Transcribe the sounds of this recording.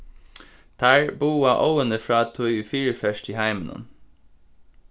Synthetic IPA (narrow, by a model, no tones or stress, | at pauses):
t̪ʰæːɹbuːɑʔoʊənəfɹɑːt̪ʰɔʏʉfiːɹəfœʃʈiːhæɪmənʔɔ̰n